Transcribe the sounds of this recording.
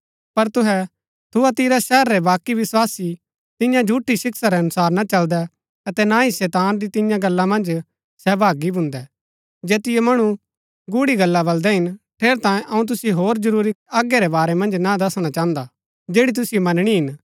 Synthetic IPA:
pɐɾt̪ʊɦɛ | t̪ʰʊat̪iɾaʃɛːɾːɛbaːkːiʋɪswaːsi | t̪ɪjãd͡ʒʱuːʈːisɪksaɾɛɐnʊsaːɾnat͡ʃɐld̪ɛ | ɐt̪ɛnãːisɛːt̪aːnd̪it̪ɪ̃jãɡɐlːamɐ̃nd͡ʒ | sɛːbʱaːɡibʱʊ̃nd̪ɛ | d͡ʒeːt̪ɪjɛmɐɽ̃u | ɡʊɽiɡɐlːabɐld̪ɛɦɪnʈʰeːɾt̪ãːjẽʔɐũt̪̬ʊsjɦoːɾd͡ʒɐɾuːɾiaːɡɛɾɛbaːɾɛmɐ̃nd͡ʒnad̪ɐsɽ̃at͡ʃãːnd̪a | d͡ʒeːɽit̪̬ʊsijumɐnɽ̃iɦɪn

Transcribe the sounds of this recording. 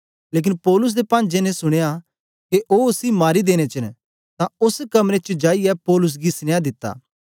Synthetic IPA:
leːk̬ɪnpɔːlʊs̬d̪epãːnd͡ʒenɛ̃sʊɽ̃eja | keʔoːʊsimaːɾid̪eːɽ̃et͡ʃɐn | t̪ãʊskɐmɾet͡ʃəd͡ʒaːiɛpɔːlʊs̬ɡisnejad̪ɪt̪ːa̰ː

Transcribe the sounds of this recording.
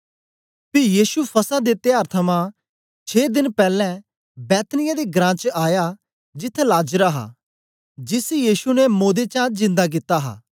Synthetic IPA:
pɪjiːsupʰɐsad̪et̪ɪjaːɾt̪ʰəmã | t͡ʃʰeːd̪ɪnpɛːlɛ̃ | bɛːt̪nɪjad̪eɡɾãːt͡ʃəaːja | d͡ʒɪt̪ʰːɛ̃laːd͡ʒəɾaɦa̰ː | d͡ʒɪsjiːsunɛmoːd̪et͡ʃãd͡ʒɪ̃nd̪ak̬ɪt̪ːaɦa̰ː

